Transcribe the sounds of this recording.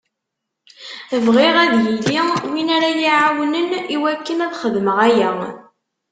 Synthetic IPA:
əvʁiʁæðjiliwinæɾajiʕawənəniwækːənæðχəðməʁæjæ

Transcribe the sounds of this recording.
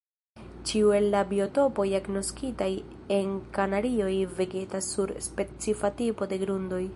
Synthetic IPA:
t͡ʃiue̞lːabio̞to̞po̞jaɡnoskitaje̞nkanaɾio̞jve̞ɡe̞tasːuɾspe̞t͡sifatipo̞de̞ɡɾundo̞j

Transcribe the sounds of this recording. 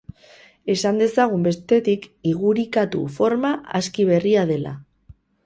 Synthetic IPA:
e̞sand̪e̞saɣ̞umbe̞st̪e̞t̪ikiɣ̞uɾikat̪ṵfo̞ɾmaʔa̰skiβ̞e̞riað̞e̞la̰

